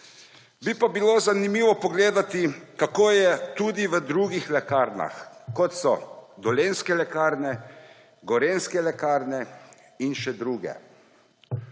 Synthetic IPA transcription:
bipabiloːzanimiːʋɔpɔɡleːd̪at̪ikakoːjɛt̪ud̪iʋəd̪ɾuːɡixlɛkaːɾna̰xkɔt̪sɔd̪ɔleːnskɛlɛkaːɾnɛ | ɡɔɾeːnskɛlɛkaːɾnɛ | inʃɛd̪ɾuːɡɛ̰

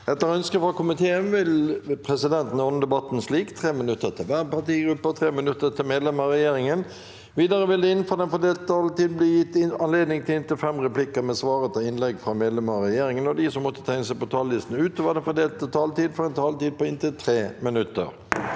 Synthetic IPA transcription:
ɛt̪ːəɾɔœnskəfɾɑkʰʊmɪt̪ʰeːənʋɪlpʰɾɛsɪd̪ɛnt̪n̩ɪɔnːəd̪ɛbɑt̪ːn̩sliːkt̪ʰʁeːmɪnʉt̪ːət̪ʰɪlʋæːɾəpɑt̪iːɡɾʉpːɑt̪ʰʁeːmɪnʉt̪ːət̪ʰɪlmeːd̪lɛməʁɛjeːɾɪŋən | ʋiːd̪ɑɾəʋɪld̪ɛɪnfɔd̪ɛnfɔd̪eːlt̪t̪ʰɑːlt̪iːd̪̚bliːjɪt̪ːɪɑnleːd̪nɪŋt̪ʰɪlɪnt̪ɪlfɛmʁɛplɪkəɾmɛsʋɑːɾət̪ʰɪlɪnlɛɡfɾɑmeːd̪lɛməʁɛjeːɾɪŋənɔd̪ɪsɔmːɔt̪ːə̥t̪ʰæɪnəsæɪpɔt̪ʰɑːlːɪst̪n̩ʉːt̪oːʋəd̪ɛnfɔd̪eːlt̪ət̪ʰɑːlt̪iːd̪fɔʁɛnt̪ʰɑːlt̪iːd̪̚pɔɪnt̪ɪlt̪ʰɾeːmɪnʉt̪ːə̰ɾ

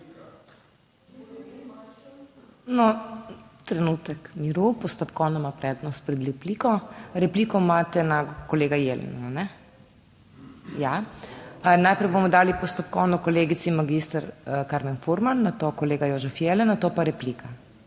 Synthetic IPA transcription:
nɔ | t̪ɾɛnuːt̪ɛkmiɾupɔst̪ɔpkɔːwnɔmapɾɛːd̪nɔst̪̚pɾɛd̪lɛpliːkɔɾɛpliːkɔmat̪ɛnakɔleːɡajelɛ̰nananɛ | ja | najpɾɛjbomɔd̪aːlipɔst̪ɔp̚kɔːnɔkɔleːɡit̪sinmaɡist̪aɾkaɾmɛnfuɾmanːat̪okɔleːɡajoːʒɛfjelɛnat̪opaɾɛpliːkʰa

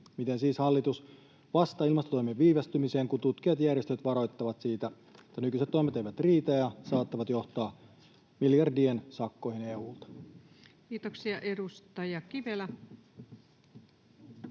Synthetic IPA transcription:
mit̪e̞nsiːshɑlːit̪us | ʋɑst̪ɑilmɑst̪ot̪o̞jmeʋːiːʋæst̪ymise̞ːŋkut̪ut̪k̟ijɑt̪jærjest̪øt̪ʋɑɾo̞jt̪ːɑʋɑt̪siːt̪æ | et̪ːænykyiset̪ːo̞jmet̪ejʋæt̪riːt̪æjɑsɑːt̪ːɑʋɑt̪jo̞ht̪ɑː | miljɑrdiensɑkːo̞jhine̞uːlt̪ɑ̥ | kiːt̪oksiɑʔedust̪ɑjɑkiʋelæ

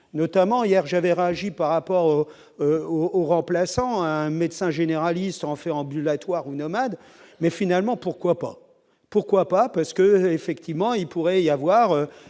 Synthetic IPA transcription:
nɔt̪amɑ̃ijɛʁʒavɛʁeaʒipaʁːapɔʁo | øooʁɑ̃plasɑ̃ɛ̃med̪sɛ̃ʒeneʁalist̪ɑ̃fɛʁɑ̃bylat̪waʁunɔmad̪ | mɛfinalmɑ̃puʁkwapa̰ | puʁkwapapaʁsə̥kəefɛkt̪ʰivmɑ̃ilpuʁɛiavwaʁø

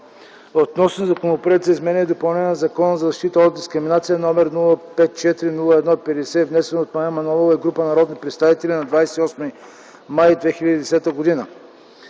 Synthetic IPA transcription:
ot̪nɔsnozɐkonopɾɛt̪zɐizmɛnʲɛɛd̪opɐlˠnɛnɛnzɐkɔnəzɐzɐʃt̪it̪əod̪̚d̪iskɾɪminat̪sijənɔmɛɾnulˠəpɛt̪̚t͡ʃɛt̪iɾinulˠəɛd̪nɔipɛd̪ɛsɛivnɛsɛnot̪maɛmɐnɔvolˠɛɡɾupənɐɾɔd̪nipɾɛt̪st̪avit̪ɛlʲinɐd̪vajsɛ̥t̪iɔsmi | majd̪vɛxilʲəd̪id̪ɛsɛt̪əɡod̪inə

